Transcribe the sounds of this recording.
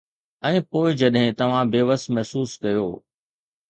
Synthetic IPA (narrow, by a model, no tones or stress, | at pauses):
ɛ̃ːpoːɪd͡ʑɐɗɦɪ̃t̪ɐʋ̤ãbeːʋəsmɛɦsuːskɐjoː